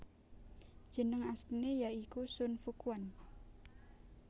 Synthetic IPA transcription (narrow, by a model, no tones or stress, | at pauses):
ʒ̥ə̤nəŋast̪inejaikusʊnfukuan